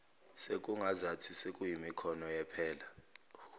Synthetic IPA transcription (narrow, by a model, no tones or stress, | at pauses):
sek̬ʼuŋazatʰisekʼujimikʰɔnɔjɛpʰɛːla